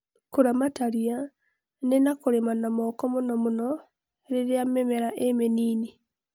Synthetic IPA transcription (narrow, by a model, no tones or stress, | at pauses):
koɾamataɾia | nenakoɾemanamɔkɔmonɔmonɔ | ɾeɾeamɛmɛɾaʔemeniːni